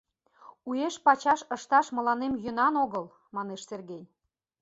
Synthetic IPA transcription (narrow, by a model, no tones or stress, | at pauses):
ujeʃpɑt͡ɕɑʃəʃt̪ɑʃmə̆lɑnemjø̆nɑnoɣəl | mɑneʃserɣej